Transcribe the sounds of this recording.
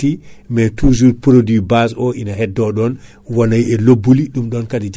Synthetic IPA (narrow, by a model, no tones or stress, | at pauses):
imɛtuzuɾpɾodibasɔʔinaɦɛdːɔɗɔn | wanajɛlobːuliɗumɗɔnkadid͡ʒ